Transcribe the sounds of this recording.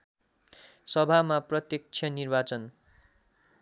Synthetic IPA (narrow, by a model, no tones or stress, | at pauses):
sʌbʱamaprʌt̪jʌk̚t͡sʰjʌnirbat͡sʌn